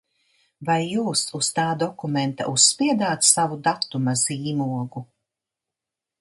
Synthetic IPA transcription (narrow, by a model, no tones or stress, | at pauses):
vajːuːsust̪aːd̪ɔkument̪a̰ʔuspiɛd̪aːt̪savud̪at̪ːumaziːmuɔɡu